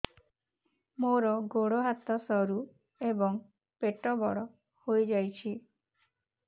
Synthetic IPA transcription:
moɾɔɡoɽɔɦat̪ɔsɔɾu | ebɔŋ | peʈɔbɔɽɔ | hojd͡ʒajt͡ʃʰi

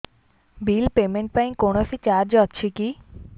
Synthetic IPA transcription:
bilpemeɳʈ̚pajnkonofit͡ɕaɾd͡ʑɔtːɕʰiki

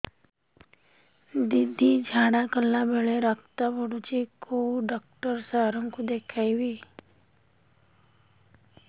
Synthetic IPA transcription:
d̪ɪd̪ʱːid͡ʒʱaːɽakəlːabeɭeɾakʰt̪abəɽut͡ʃikoɖak̚ʈəɾsaɦɾə̃ŋkud̪eːkʰaːiʋiː

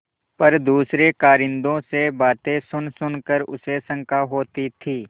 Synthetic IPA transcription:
pɐɾd̪uːsɾekaːɾɪ̃nd̪õsebaːt̪ẽsʊnsʊnkəɾʊ̰sesɐ̃ŋkaɦoːt̪it̪ʰiː

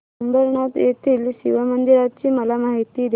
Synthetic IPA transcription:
əmbəɾɳat̪jet̪ʰiːlɕḭʋəmənd̪iɾat͡ɕiːməlamaɦit̪iːd̪

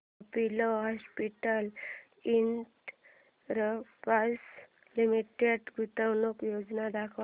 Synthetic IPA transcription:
piloɦɔspiʈəl | iɳʈ | ɾəpas | limiʈeɖɡʱut̪awnukjod͡znad̪akʰ

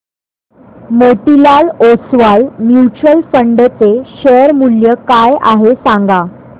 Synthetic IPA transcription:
məʈilaɭosʋajmjut͡ɕɾəlfəɳɖət͡seɕəɾmuljəkajʔa̰ɦesãŋɡa

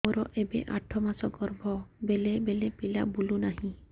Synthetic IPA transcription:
oɾɔʔebḛʔaʈʰɔmasɔɡɔɾbʱɔbelebelepila̰bulunaɦĩ

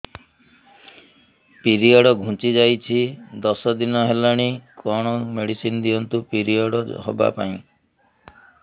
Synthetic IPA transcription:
piɾiɔɽɔɡʱũt͡ʃid͡ʒajt͡ʃʰid̪ɔsɔd̪inɔɦelaɽ̃ikʰɔɽ̃ɔmeɽisinɔd̪ijɔnt̪upiɾiɔɽɔɦɔ̰ba̰pa̰ĩ

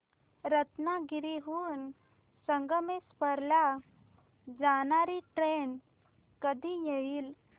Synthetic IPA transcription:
ɾət̪naɡiɾiɦuːn | səŋɡəmespəɾla | d͡zanaɾiʈɾen | kəd̪ʱijeiːl

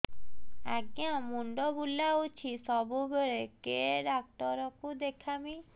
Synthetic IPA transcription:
a̰ɡjãmuɳɖɔbulaut͡ʃʰisɔbubeɾekeɖak̚ʈɔɾɔkud̪ekʰami

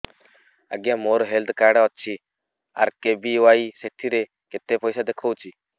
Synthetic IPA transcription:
ə̰ɡjamoɾɦeld̪kaɖɔt̪ːt͡ʃʰi | a̰ɾkebiwaiseʈʰiɾe | ket̪epɔjsad̪ekʰowt͡ʃʰi

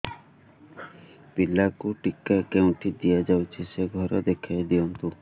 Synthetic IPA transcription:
pilakuʈikːakɛwnʈid̪ijad͡ʒawt͡ʃʰiʃeɡʱɔɾad̪ekʰajd̪iont̪u

